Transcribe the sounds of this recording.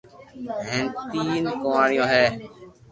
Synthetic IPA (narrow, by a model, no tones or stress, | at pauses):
ɦẽːnt̪iːnkoaːɳɪjõːɦɛː